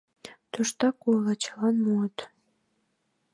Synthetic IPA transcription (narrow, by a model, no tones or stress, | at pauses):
t̪uʃt̪ɑkujlˠɑt͡ɕɑlɑnmut̪